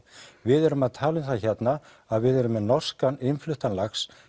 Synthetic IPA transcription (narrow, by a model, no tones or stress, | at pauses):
vɪðɛɾʏmaðt̪ʰaːlʏnθaçɛt̪na | aðvɪðɛɾʏmːɛnɔr̥skanɪnflʏht̪anlaxs